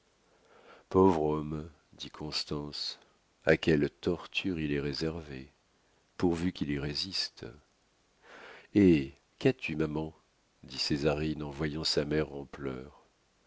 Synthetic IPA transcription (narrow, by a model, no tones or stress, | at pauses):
povʁɔm | d̪ikʰɔ̃st̪ɑ̃s | a̰kʲɛlt̪ɔʁt̪ʰyʁilɛʁezɛʁve | puʁvykʲiliʁezist̪ | e | kat̪ymamɑ̃ | d̪isezaʁinɑ̃vwajɑ̃samɛʁɑ̃plœːʁ